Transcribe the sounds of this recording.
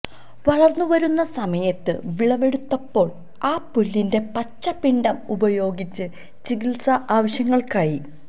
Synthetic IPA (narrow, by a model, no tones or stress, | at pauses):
ʋɐɭɐrnːuʋɐɾunːɐsɐmɐjɐt̪ːɨ̰ʋiɭɐʋe̞ɽut̪ːɐpːo̞ːɭ | aːpːulːinde̞pɐt͡ɕːɐpiɳɖɐmubɐjo̞ːɡit͡ɕːɨ | t͡ɕiɡilsɐʔaːʋɐɕjɐŋːɐɭkaːji